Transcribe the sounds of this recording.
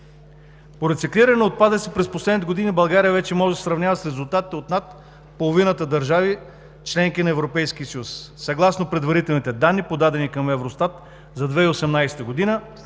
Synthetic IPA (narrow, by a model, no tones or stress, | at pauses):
poɾɛt̪sikliɾɐnɛot̪̚pad̪əsipɾɛsposlɛd̪nit̪ɛɡod̪inibɐlˠɡaɾijəvɛt͡ʃɛmɔʒɛsəsɾɐvnʲavəsɾɛzulˠt̪at̪i̥t̪ɛot̪nat̪̚ | polˠovinət̪əd̪ɐɾʒavi | t͡ʃlɛŋkinɐɛvɾopɛjsk̟ʲisəjusːɐɡlˠasnopɾɛd̪vɐɾit̪ɛlˠnit̪ɛd̪anːipod̪ad̪ɛnikɐmɛvɾost̪at̪ | zɐd̪vɛiosɛmnajsɛ̥t̪əɡod̪inə